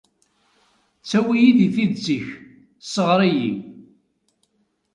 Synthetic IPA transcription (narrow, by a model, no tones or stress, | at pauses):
t͡sːæwijiðiθiðt͡sːiç | səʁɾˤijḭ